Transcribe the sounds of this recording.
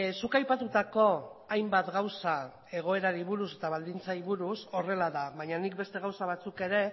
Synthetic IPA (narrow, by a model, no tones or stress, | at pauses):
sukajpat̪ut̪ako̞ajmbat̪ɡawsa | e̞ɣ̞o̞e̞ɾaɾiβuɾus̬e̞t̪aβ̞ald̪int͡saiβuɾuso̞re̞laðaβaɲanik̚be̞st̪e̞ɣ̞awsaβ̞at͡suke̞ɾe̞